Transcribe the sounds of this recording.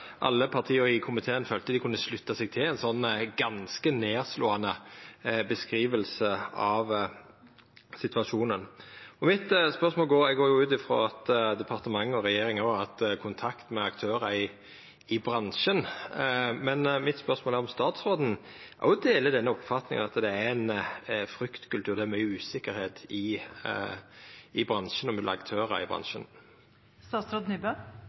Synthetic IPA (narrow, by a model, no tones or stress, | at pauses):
ʔɑ̰lːəpʰɑʁt̪ʰiːəɾɪkʰʊmɪt̪ʰeːənføːlt̪əd̪ɪkʰʉnːəslʉt̪ːɑsɛɡ̚t̪ʰɪlɛnsɔnːɡɑnskəneːʁsloːɑnə | bəskɾiːʋəlsəɑʋ | sɪt̪ʋɑʂuːnənɔmɪt̪spœʁsmoːlɡoːɛɡoːɾjʊʉːt̪ɪfɾo̰ːɑt̪d̪ɛpʰɑʁt̪əmɑŋːɔɾɛjeːɾɪŋoɑt̪kʰʊnt̪ʰɑkt̪mɛɑkt̪ʰøːɾɑɪ | ɪbɾɑnʃən | mɛnmɪt̪spœʁsmoːlæɾɔmst̪ɑːt̪sɾʁoːd̪n̩ | ʔɔ̰ʊd̪eːləd̪ɛnːəɔpfɑt̪nɪŋ̰ɑt̪d̪ɛænfɾʏkt̪kʉlt̪ʰʉːɾʁd̪ɛæmœʉːsɪkːəɾheːt̪ɪ | ɪbɾʁɑnʃənɔmɛd̪lɑ̰kt̪ʰøːɾə̰ɪ̰bʁɑ̰nʃən | st̪ɑːt̪sɾoːd̪nyːbø